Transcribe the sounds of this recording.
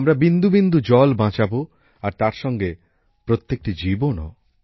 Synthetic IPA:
mɾabind̪ubind̪ud͡ʑɔlbãt͡ɕabo | aɾt̪aɾʃɔŋɡe | pɾot̪ːek̚ʈid͡ʑibono̰

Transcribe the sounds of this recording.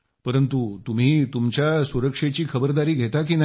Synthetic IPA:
pəɾənt̪ut̪um̤iːt̪umt͡ɕjasuɾəkʂet͡ɕiːkʰəbəɾd̪aɾiːɡʱet̪ak̬iːna

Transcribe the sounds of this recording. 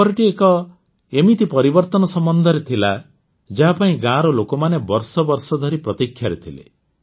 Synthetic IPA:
ɔɾɔʈiekɔ | emit̪ipɔɾibɔɾt̪ɔnɔsɔmbɔnd̪ʱɔɾet̪ʰila | d͡ʒaɦapaĩɡãɾɔlokɔmanebɔɾsɔbɔɾsɔd̪ʱɔɾipɾɔt̪ikʰːjaɾet̪ʰilḛ

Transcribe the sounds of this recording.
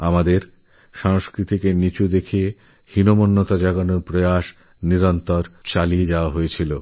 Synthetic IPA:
amad̪eɾ | ʃaŋskɾit̪ʰikenit͡ɕud̪ekʰie | hinomonːot̪ad͡ʑaɡonoɾpɾojaʃ | niɾɔnt̪oɾt͡ɕalied͡ʑaoaɦojet͡ɕʰilo

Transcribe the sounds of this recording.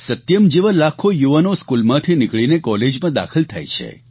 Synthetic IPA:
sət̪jəmd͡ʒeʋəlakʰojuʋənoskulmãt̪ʰinɪkɭinekɔled͡ʒmãd̪a̰kʰəlt̪ʰa̰jt͡ʃʰḛ

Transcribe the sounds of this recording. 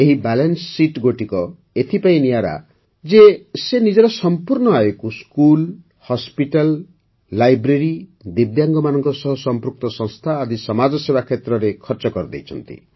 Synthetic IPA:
eɦibalensːiʈɡoʈikɔ | et̪ʰipaĩnijaɾa̰ | d͡ʒesenid͡ʒɔɾɔsɔmpuɾɳɔaekuskul | hɔspiʈalː | ajbɾeɾid̪ib̚d̪jaŋɡɔmanɔŋkɔsɔɦɔsɔmpɾuk̚t̪ɔsɔ̃ŋ̃st̪ʰaːd̪isɔmad͡ʒɔsebakʰet̪ɾɔɾekʰɔɾt͡ʃɔkɔɾɔd̪ḛjt͡ʃʰɔ̰nt̪ḭ

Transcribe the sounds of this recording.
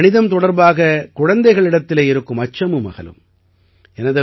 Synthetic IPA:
nɪðɐmt̪ɔɽɐɾbaːɣɐkʊɻɐnd̪ɐɪɣɐɭɪɽɐt̪ːɪleːɪɾɯkːɯmɐt͡ʃːɐmɯmɐ̰ɣɐ̰lɯ̰m | ɛnɐðɯ

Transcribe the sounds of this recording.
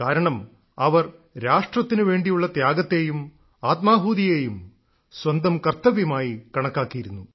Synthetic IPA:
kaːɾɐɳɐm | ɐʋɐrɾaːʂʈrɐt̪ːinɨʋe̞ːɳɖijuɭːɐt̪jaːɡɐt̪ːe̞jum | aːt̪̚maːɦuːd̪ijeːjum | swɐnd̪ɐmkɐrt̪ːɐʋjumaːjikɐɳɐkːaːkːijiɾunːu

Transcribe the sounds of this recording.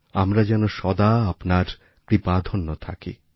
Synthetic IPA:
amɾad͡ʑɛnoʃɔd̪aapnaɾ | kɾipad̪ʱonːot̪ʰa̰kḭ

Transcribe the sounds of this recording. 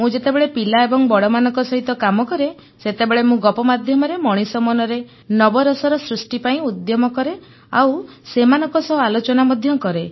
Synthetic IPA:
mũd͡ʒet̪ebeɭepilaebɔŋbɔɽɔmanɔ̃ŋkɔsɔɦit̪ɔkamɔkɔɾe | set̪ebeɭemũɡɔpɔmad̪ʱjɔmɔɾemɔɽ̃isɔmɔnɔɾe | nɔbɔɾɔsɔɾɔsɾusʈipaĩud̪jɔmɔkɔɾe | a̰wsemanɔŋkɔsɔɦalot͡ʃɔnamɔd̪ʱjɔkɔɾe

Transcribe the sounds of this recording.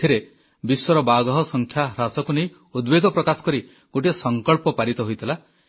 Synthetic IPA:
tʰiɾe | biswɔɾɔbaɡɔɦɔsɔŋkʰjaɾasɔkunej | ud̪beɡɔpɾɔkasɔ̥kɔɾi | ɡ̥oʈiɔsɔŋkɔɭpɔpaɾit̪ɔɦojt̪ʰila

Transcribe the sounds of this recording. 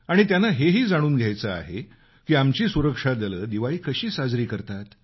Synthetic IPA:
aɽ̃it̪janːaɦeɦiːd͡zaɽ̃uːnɡʱjajt͡səa̰ɦḛ | kiːamt͡ɕiːsuɾəkʂad̪ələːd̪iʋaiːkəɕiːsad͡zɾiːkəɾt̪at̪

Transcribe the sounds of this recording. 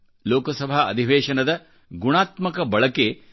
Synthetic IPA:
loːkɐsɐbʱaɐ̰d̪ʱiʋeːʂɐnɐd̪ɐ | ɡuɳaːt̪mɐkɐbɐɭɐke

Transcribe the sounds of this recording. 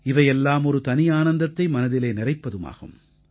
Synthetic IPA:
ɪʋɐjɛlːaːmɔɾɯt̪ɐnɪjaːnɐnd̪ɐt̪ːɐɪmɐnɐðɪleːnɪrɐɪpːɐðɯma̰ːɣɯ̰m

